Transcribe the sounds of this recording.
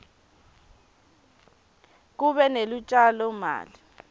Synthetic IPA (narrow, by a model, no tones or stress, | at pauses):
k̬uɓɛnelut͡ʃʼalɔma̰ːli